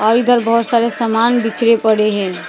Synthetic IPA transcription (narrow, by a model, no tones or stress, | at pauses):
ɔɾid̪ʱəɾbʱəsaɾesəmanbikʰɾepəɽeɦel